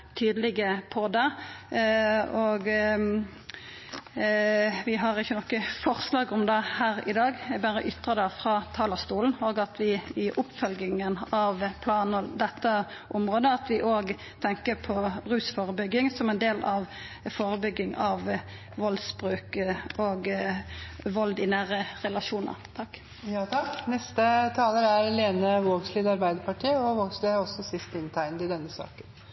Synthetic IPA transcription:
t̪ʰyːd̪əlɪɡəpʰɔd̪ɛ | oːɡ | ʋɪɦɑʁɪçːənɔkːəfɔʁslɑːɡɔmd̪ɛhæːɾɪ̰d̪ɑːɡbæːɾəʔʏt̪ʁəd̪ɛfɾɑt̪ʰɑːləʁst̪uːln̩oːɡɑt̪ʰʋɪɪʔʊpːfœlɡɪŋənɑʋpʰlɑːnəd̪ɛt̪ːə | ʔʊmʁoːd̪əɑt̪ʋɪʔoːɡ | t̪ʰɛŋkəɾpʰɔɾʉːsfoːɾəbʏɡːɪŋsɔmɛnd̪eːlɑʋ | foːɾəbʏɡːɪŋɑʋ | ʋɔlsbɾʉːkoːɡ | ʋɔld̪ɪnæːɾəɾɛlɑʃuːnə̰ɾt̪ʰɑkː | jɑːt̪ʰɑknɛst̪ət̪ʰɑːləɾæɾleːnəʋoːɡsliːd̪ɑɾbæɪd̪əɾpɑʈʰiːəɔʋoːɡsliɔsːɔsɪst̪ɪnt̪ʰæɪnəd̪ɪd̪ɛnːəsɑ̰ːkən

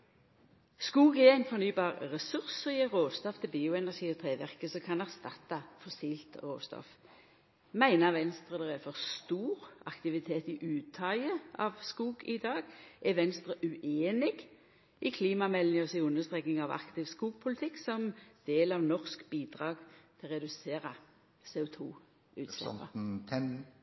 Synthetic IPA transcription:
skuːɡɛæɪnfɔʁnyːbɑːʁʁɛsʉʁsʁiːəʁoːst̪ɔft̪ʰɪlbiːʊɛnæʁʂiːɔt̪ʰʁeːʋæʁkəsɔkʰɑnæʁst̪ɑ̰t̪ːɑfɔsiːlt̪ʁo̰ːst̪ɔ̰f | mæɪnɑʋɛnst̪ʁəd̪ɛʁæfɔʁst̪uːʁɑkt̪ɪʋɪt̪ʰeːt̪ɪʔʉːt̪ʰːɑəɑ̰ʋskuːɡɪd̪ɑːɡʔɛʋɛnst̪ɾəʔʉʔeːnɪɡ | ɪkʰliːmɑmɛlnɪɔsɪʉnːəʁst̪ʁeːknɪŋɑʋɑ̰kt̪ʰɪʋskuːɡpʰʊlɪt̪ʰɪkːsɔmd̪̥eːlɑʋnɔʁskbiːd̪ʁɑːɡt̪ʰɪlʁɛd̪ʉseːʁɑ | seːʊt̪ʰṵː | ʉ̰ːt̪sɛ̰ə̰ɛn

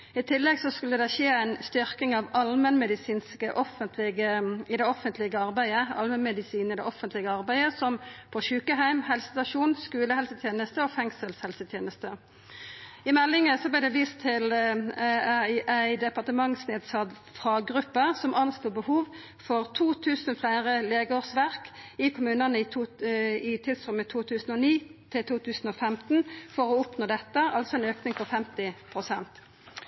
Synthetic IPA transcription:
ɪt̪ʰɪlːɛɡsɔskʉlːəd̪ɛʃeːæɪnst̪ʏʁkɪŋɑʋɑlmənmɛd̪ɪsiːnskəʔɔfənt̪ʰlɪɡəɪd̪ɛɔfənt̪ʰlɪɡəɑʁbæɪəɑ̰lmənmɛd̪ɪsiːnəɪd̪ɛʔɔfənt̪ʰlɪɡəɑʁbæɪəsɔmpʰɔʃʉːkəɦæɪmhɛlsə̥st̪ɑʃuːnskʉːləhɛlsət̪ʰjeːnəst̪əɔfɛŋsəlshɛlsət̪ʰjeːnəst̪ə | ɪmɛlːɪŋəsɔblæɪd̪ɛʋiːst̪ʰːɪl | æɪʔæɪd̪ɛpɑʁt̪əmɑŋsneːd̪sɑt̪ | fʁɑːɡʁʉpːəsɔmʔɑnst̪uːbəhuːʋ | fɔʁt̪ʰuːt̪ʰʉːsnflæɪʁəleːɡəoːʁsʋæʁkɪkʰʊmʉːnənəɪ | ɪt̪ʰɪlst̪ʁɔmət̪ʰuːt̪ʰʉːsn̩ɔniːt̪ʰɪlt̪ʰuːt̪ʰʉːsn̩ɔfɛmt̪n̩fɔʁɔʊpnoːd̪ɛt̪ːəʔɑlsɔɛnøːknɪŋfɔfɛmt̪ɪpʰʁʊsɛnt̪

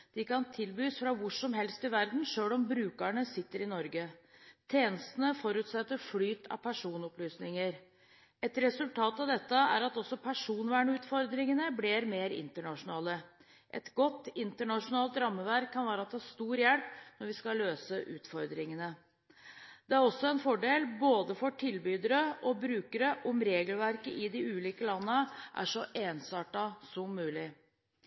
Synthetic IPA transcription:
d̪̥ɪkɑnt̪ʰɪlbyːsfɾɑʋʊʂɔmɦɛlst̪ɪʋæɾd̪n̩ʂøːlɔmbɾʉːkəɳəsɪt̪ːəɾɪnɔɾɡət̪ʰeːnəst̪ənəfɔɾʉːt̪sɛt̪ːəɾflyːt̪ʰɑ̰ʋpʰæʂuːnɔplyːsnɪŋəɾ | ɛt̪ɾɛsʉlt̪ʰɑːt̪ɑʋd̪ɛt̪ːəæ̰ɾɑt̪ɔsːɔpʰæʂuːnʋæːɳəʉːt̪fɔɾd̪ɾɪŋənəblɪɾmeːɾɪ̰nt̪əɳɑʂʊnɑːlə | ʔɛt̪ɡɔt̪ːɪnt̪əɳɑʂʊnɑːlt̪ɾɑmːəʋæɾkʰːɑnʋæːɾəɑt̪d̪ɛhɑst̪uːɾjɛlpnɔɾʋɪskɑlːøːsəʔʉːt̪fɔɾd̪ɾɪŋənə | d̪ɛæɾɔsːɔɛnfɔɖeːlboːd̪əfɔʈʰɪlbyːd̪əɾəɔbɾʉːkəɾəʔɔmɾeːɡəlʋæɾkəʔɪd̪ɪʉːliːkəlɑnːəʔæ̰ʂɔʔeːnsɑːʈɑsɔmːʉːlɪ

